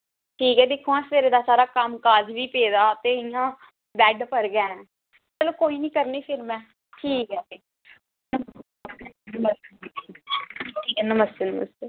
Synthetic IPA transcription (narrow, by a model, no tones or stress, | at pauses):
ʈʰiːkɛːd̪ɪkʰːõːãsəʋeːɾeːd̪aːsaːɾaːkəmkaːd͡ʒʋiːpeːd̪aːt̪eːɪjãː | bɛːɖpəɾɡɛ̃ːɛ̃ | t͡ʃɛːlõːkoːiːnĩːkəɾneːpʰɪɾmɛ̃ː | ʈʰiːkɛːeː | nə | nəməs | ʈʰiːkɛːnəməst̪enəːmə̰seː